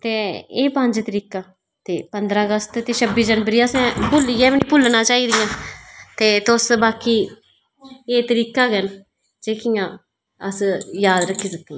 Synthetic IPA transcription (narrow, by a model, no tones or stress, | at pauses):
t̪eːeːpəɲd͡ʒt̪əɾiːkaː | t̪eːpənd̪ɾãːəɡəst̪t̪eːʃʰəbiːd͡ʒənbəɾiːãːsɛ̃ːpʊlijɛ̃ːʋiːnĩːpʊlnãːt͡ʃaːiːd̪ɪjãːt̪eːt̪ʊsbaːkiː | eːt̪əɾiːkaːɡən | d͡ʒeːkijãː | əsjaːd̪ɾəkʰːiːsət̪ːĩː